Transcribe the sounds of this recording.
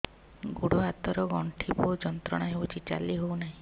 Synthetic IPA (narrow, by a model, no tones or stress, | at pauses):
ɡuɽuɦat̪ɔɾɔɡɔɳʈʰibɔd͡ʒɔnt̪ɾɔɽ̃aɦewt͡ʃʰit͡ʃa̰liɦownaɦĩ